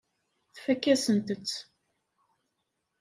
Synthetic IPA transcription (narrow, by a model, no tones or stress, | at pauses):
θfækːæsənt̪ət͡sː